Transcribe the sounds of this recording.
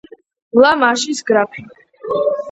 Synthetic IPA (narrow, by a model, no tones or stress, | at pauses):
mlamaʃisɡɾapʰi